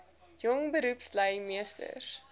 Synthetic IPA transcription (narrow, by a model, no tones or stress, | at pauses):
jɔŋbəɾupsləjmiəstə̰r